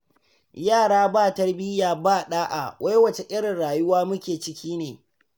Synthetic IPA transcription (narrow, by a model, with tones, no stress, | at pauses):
jaː˦˨ɽaː˦baː˦˨tɐ˦rbɪ˦jaː˨baː˦˨ɗaː˦ʔa̰˨wʔa˦jwɐ˨t͡ʃe˨ʔɪ˦ɽɪ˨nɽaː˨jʊ˦waː˦mʊ˦kʲeː˨t͡ʃɪ˦kʲiː˦neː˨